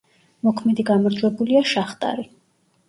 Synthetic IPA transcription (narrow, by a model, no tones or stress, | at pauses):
mɔkʰmɛd̪iɡamɔɾd̪zwɛbuliaʃaχt̪ʼa̰ɾi